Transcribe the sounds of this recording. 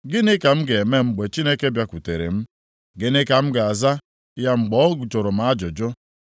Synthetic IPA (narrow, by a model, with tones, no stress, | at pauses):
ɡɪ˦nɪ˦ka˨m̩˦ɡe˨me˦ŋ͡m̩˦˨ɡ͡be˨t͡ʃi˦ne˦ke˦bja˨kʷu˨te˨ɾḛ˨m̩˦ | ɡɪ˦nɪ˦ka˨m̩˦ɡɪ˨a˨za˦ | ja˦ŋ͡m̩˨ɡ͡bɔ˦ɡu˨t͡ʃo˨ɾʊ˨m̩˨a˦d͡ʒʊ˨d͡ʒʊ˦